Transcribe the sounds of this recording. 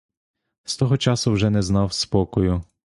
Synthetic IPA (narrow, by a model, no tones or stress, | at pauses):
st̪ɔɦɔt͡ʃɑsʊwʒɛnɛznɑwspɔkɔjʊ